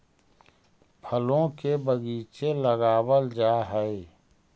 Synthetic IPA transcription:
pʰəlõkebəɡiːt͡ʃeləɡaːwəld͡ʒaːɦɛe

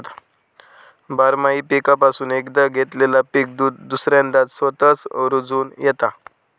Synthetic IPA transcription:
t̪ | baɾmaipikapasuːnekd̪əɡʱet̪lelapik̚d̪ud̪usɾjãnd̪at̪sʋət̪ət͡sɾod͡zuːnjɛt̪a

